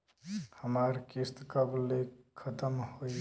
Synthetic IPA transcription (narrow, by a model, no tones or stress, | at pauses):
həmaɾkist̪kəblekʰət̪əmhoi